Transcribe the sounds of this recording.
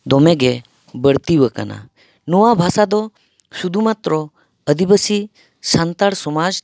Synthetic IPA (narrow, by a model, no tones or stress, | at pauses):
d̪ɔmeɡe | bəɽt̪iʋəka̰na̰ | noʋabʱasad̪ɔ | sud̪ʱumat̪ɾo | əd̪ibəsi | sant̪aɽsɔmad͡ʒ